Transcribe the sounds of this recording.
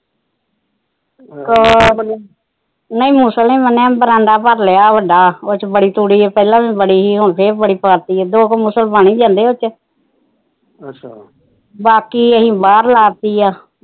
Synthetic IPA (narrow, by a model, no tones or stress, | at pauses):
kː | nəĩːmuːsəlẽːmənːẽːbəɾãːnd̪aːpəɾlejaːʋəɖaːot͡ʃbəɽiːt̪uːɽiːɛːpɛːlãːʋĩːbəɽiːɦiːɦoɳpʰeːɾbəɽiːpəɾt̪iːɛːd̪oːkmusəlbaːɳĩːd͡ʒãːnd̪eːot͡ʃ | baːkiːəɦĩːbaːɾlaːɾt̪iːaː